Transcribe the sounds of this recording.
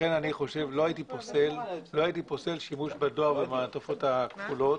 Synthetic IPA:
enaniχo̞ʃe̞vlo̞ajitiposello̞aitipose̞lʃimuʃbadoaʁvemaːtofo̞thakfulo̞t

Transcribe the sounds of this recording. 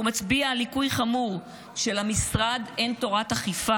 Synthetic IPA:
umat͡sbialikujχamuʁ | ʃe̞lamisʁad̪ento̞ʁataχifa

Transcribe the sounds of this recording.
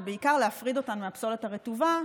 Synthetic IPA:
beikaʁleafʁid̪o̞tanumeapsoletaʁetuva

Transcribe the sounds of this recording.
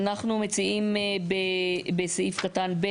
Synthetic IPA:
naχnume̞t͡siimbebeseifkatanbe

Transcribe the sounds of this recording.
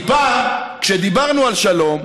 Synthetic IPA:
pakʃed̪ibaʁnualʃalo̞m

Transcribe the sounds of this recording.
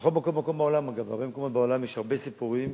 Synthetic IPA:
exo̞lmako̞lmako̞mbeo̞lamaɡava̰ʁbe̞meko̞mot̪̚beolamjeʃhaʁbesipuʁim

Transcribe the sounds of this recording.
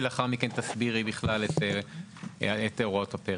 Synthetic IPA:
leaχaʁmikent̪asbiʁibiχlalet̪e | et̪eoʁot̪hape

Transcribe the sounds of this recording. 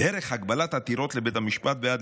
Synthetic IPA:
eɾeχhaɡbalat̪hat̪iɾo̞t̪lebetamiʃpat̪̚bejad

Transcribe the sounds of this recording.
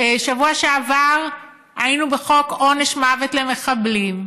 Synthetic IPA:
ʃavuaʃeavaʁ | ainubeχo̞koneʃmavet̪leme̞χablim

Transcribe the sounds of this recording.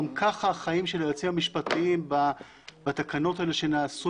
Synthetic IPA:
mkʰaχaːχaimʃelejot͡simamiʃpat̪imba | bat̪akano̞teleʃe̞naːsu

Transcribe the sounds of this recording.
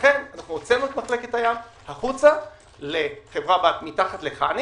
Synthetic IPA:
χe̞nanaχnuot͡senuet̪maχle̞ketajam | haχut͡sa | leχe̞vʁabat̪mitaχat̪leχani

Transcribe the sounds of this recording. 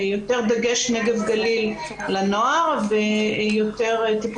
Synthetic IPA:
jo̞t̪e̞ʁd̪aɡeʃneɡe̞vɡalilː | anoaʁvejot̪e̞ʁt̪ip

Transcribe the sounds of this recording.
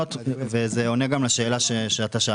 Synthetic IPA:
ot̪vezeoneɡamlaʃe̞ːlaʃeʃeat̪aʃa

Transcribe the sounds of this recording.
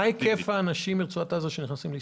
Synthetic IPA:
ajkʰefaːnaʃimiʁt͡suat̪azoʃeniχnasimli

